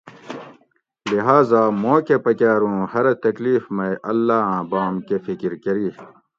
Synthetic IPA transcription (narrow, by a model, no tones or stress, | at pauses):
liɦaːzaːmõːkepɐkaːɾũːhɐɾt̪ɐkliːfmɐjʔɐlːaːãːbaːmkefikɾkɐɾiː